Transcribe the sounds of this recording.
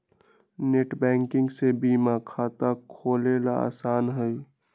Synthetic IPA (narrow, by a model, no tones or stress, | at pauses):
neːʈbɛ̃ːŋkɪ̃ŋɡsebiːmakʰaːt̪akʰoːlelaa̰ːsaːnɦəi